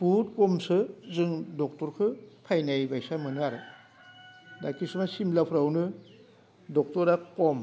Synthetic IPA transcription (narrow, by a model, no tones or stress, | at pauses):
but̚kɔmsɯzɯŋdɔk̚tɔɾkʰɯpʰajnajbajsamɯnɯaɾɯ | dakisumasimlapʰɾawnɯ | dɔk̚tɔɾakɔm